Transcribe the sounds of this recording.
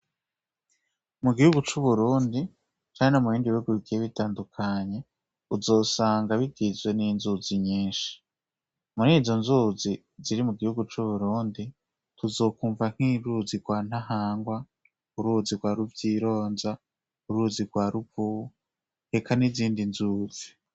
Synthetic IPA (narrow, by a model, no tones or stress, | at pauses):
muɡihuɡut͡ʃuβuɾuːndi | t͡ʃaːɲenomuβiːndiβihuɡuiɡieβitaːndukʰaɲe̞ | uzo̞ːsaːŋɡaβiɡizwe̞niːnzuziɲiːnʃi̥ | muɾiːzo̞nzuːzi | ziɾimuɡihuɡut͡ʃuβuɾuːndi | tʰuzo̞ːkuːɱvaŋ̥hiːɾuziɡwaːn̥aɦaːŋɡwa | uɾuziɡwaːɾuvjiːɾo̞ːnza | uɾuziɾɡwaːɾupu | he̞kaniziːndinzuːz̥i